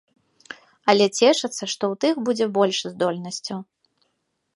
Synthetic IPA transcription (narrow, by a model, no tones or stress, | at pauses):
ɐlʲɛt͡sʲɛʂɨt̪sːɐʂt̪ɔwt̪ɨxbud͡zʲɛbɔlʲʂzd̪ɔlʲnɐsʲt͡sʲɐw